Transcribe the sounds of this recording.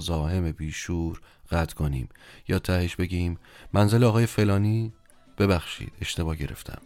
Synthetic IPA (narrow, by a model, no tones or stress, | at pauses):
zɒːhe̞mebiːʃuːɾɢ̥æt̪ʰkʰo̞nḭːmjɒːt̪ʰæheʃb̥e̞ɟiːmːænzeleɒːɣɒːje̞fe̞lɒːniː | b̥e̞bæxʃḭːd̪̥e̞ʃt̪e̞bɒːhɟe̞ɾe̞̰ft̪ʰæ̰m